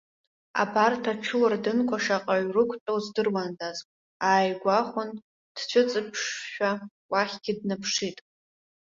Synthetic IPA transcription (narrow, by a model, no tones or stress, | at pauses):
a̰bartʰaʈ͡ʂʰɨwardɨnkʷʰaʂaqʼaɥrɨkʷʰtʼowzdɨrwandazʼ | aːjɡʷaχʷʊn | d̥t͡ɕʷʰʊt͡sʼɨpʰʂʃᶣa | waχʲɡʲɪdnɨpʰʂitʼ